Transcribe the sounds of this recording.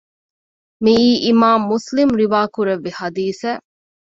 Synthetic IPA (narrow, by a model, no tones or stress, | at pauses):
miiːʔimaːmːuslimɾiʋaːkuɾeʋːihɐd̪iːsæː